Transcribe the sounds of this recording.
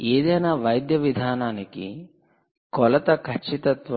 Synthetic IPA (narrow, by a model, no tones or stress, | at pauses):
eːd̪ɐjnaʋɐjd̪jɐʋid̪ʱaːnaːnikḭ | kɔlɐt̪ɐkʰɐt͡ʃːit̪ɐt̪ʋɐ